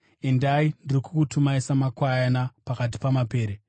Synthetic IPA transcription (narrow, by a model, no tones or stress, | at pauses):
endaindirikukutʰumaisamakwajanapakat̬i̥pamape̞ːɾe